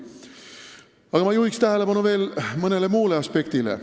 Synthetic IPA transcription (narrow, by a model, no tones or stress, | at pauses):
ɑɡ̥ɑmɑjuhikst̪æɦe̞le̞b̥ɑnuve̞ːlmɤne̞le̞muːle̞ɑspe̞kt̪ilḛ